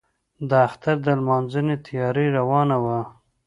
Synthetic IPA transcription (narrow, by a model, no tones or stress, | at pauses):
d̪əaxt̪aɾd̪əlmɑnzənet̪ʰajɑɾeɾawɑnawa